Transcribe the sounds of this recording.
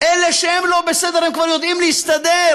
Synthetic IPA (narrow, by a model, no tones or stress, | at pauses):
ʔeleʃehemlo̞besed̪eʁhemkvaʁjod̪imlɛjist̪ad̪e